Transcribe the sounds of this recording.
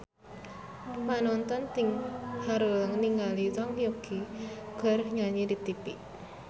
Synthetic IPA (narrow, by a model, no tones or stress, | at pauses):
panɔnt̪ɔnt̪ɪŋhaɾuləŋniŋɡalit͡ʃɔŋjokʰiɡ̥ə̤ɾhɲaɲidit̪ipiʔ